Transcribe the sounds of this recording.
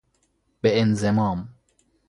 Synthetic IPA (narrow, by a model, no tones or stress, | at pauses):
b̥eenzemɑːm